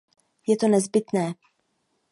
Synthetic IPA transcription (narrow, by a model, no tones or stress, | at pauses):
jɛt̪o̞nɛzbɪt̪nɛː